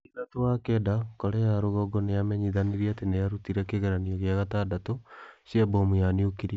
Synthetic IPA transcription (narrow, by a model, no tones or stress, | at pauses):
iðatowakɛdakoɾɛjaɾoɣɔɡɔneamɛɲiðaniɾiatenejaɾutiɾɛkeɣeɾaniɔɣeaɣatadatosjabomujaniukiɾi